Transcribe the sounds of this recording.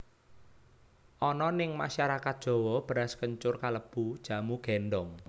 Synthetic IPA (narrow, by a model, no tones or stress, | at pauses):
ʔɔnɔnɪŋmaʃaɾakat̪̚d̥ʒ̥o̤wɔb̥ɾaskəɲt͡ʃʊrkaləb̥ud̥ʒ̥a̤muɡ̥ɛnɖɔŋ